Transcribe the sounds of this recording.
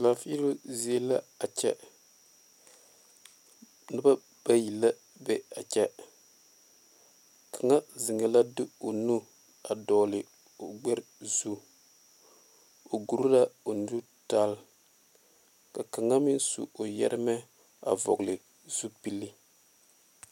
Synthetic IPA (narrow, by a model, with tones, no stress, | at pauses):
la˨fi˦ɾo˦zi˦e˦la˦a˨t͡ʃɛ̰˦ | nɨ˦ba˦ | b̥a˦ji˨lːa˦ | bɛ˦a˨t͡ʃɛ˦ | kʰa˨ŋa˦zɪ˨ŋɛ˨la˦dɪ˦o˨nu˦ | a˨dɔː˨lɪ˨ | o˨ɡ͡bɛ˦ɾzu˦ | o˨ɡu˨ɾu˦la˦o˨n˦du˦ | ta˦l | ka˨ka˨ŋa˦mɪ˦n˦sṵ˨o˨jɛ̰˦ɾɪ˦mɛ˦ | a̰˨vɔ̰˨ɡlɪ˨ | z̥u˦pi˦lːi˦